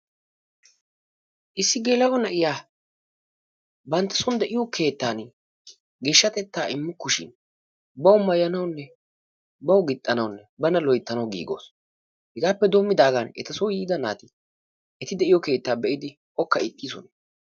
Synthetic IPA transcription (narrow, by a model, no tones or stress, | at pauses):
ʔɪsːɪɡeːlɐwɔnɐʔɪjaː | bɐnt̪ːɐ̥sʊnd̪ɛʔɪjɔkʰe̞ːt̪ːaːn | ɡe̞ːʃːɐt̪ɛt̪ːaːɪmːʊkːʊʃɪ̰n | bɐʊmːɐjɐnɐwnːɛ | bɐwɡɪt̪ʼːɐnɐwʊnːɛbɐnɐlɔjt̪ːɐnɐwɡḭːɡo̞̰ːs | hɪɡaːpːɛd̪o̞ːmːɪd̪aːɡanɛ̰t̪ɐsɔwjiːɡ̪ɐna̰ːt̪ɪ | ʔɛt̪ɪd̪ɛʔɪjɔke̞ːt̪ːaːbɛʔɪd̪ɪ | ʔɔkːɐɪt̪ʼːiːsɔ̰n